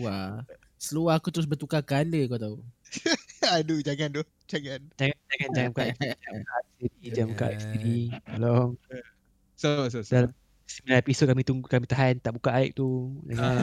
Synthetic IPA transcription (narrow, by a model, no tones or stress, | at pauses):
a | səluahakut̪əɾʊs̬bərt̪ukakaləkat̪au | adud͡ʒaŋand̪ʊh | d͡ʒaŋand͡ʒaŋand͡ʒaŋand͡ʒaŋãmkaʔd͡ʒakaasidid͡ʒamka̰ʔist̪idialɔŋ | sosodalam | similaepisot̚kamit̪ukamit̪aɦant̪aʔbukaʔaiʔ̚t̪ud͡ʒaŋan